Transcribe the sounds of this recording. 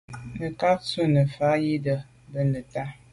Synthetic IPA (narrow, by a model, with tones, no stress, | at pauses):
nə˨ka˦k̚su˦nə˨fa˨˦ji˦də˨ | bə˦nə˨ta˦